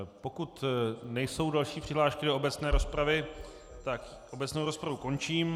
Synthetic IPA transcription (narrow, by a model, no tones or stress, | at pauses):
po̞kut̪nɛjso̞wdalʃiːpr̥ɪɦlaːʃkɪdo̞obɛt͡snɛːɾo̞spɾavɪ | t̪ak | ʔo̞bɛt͡snowɾo̞spɾavuko̞nt͡ʃiːm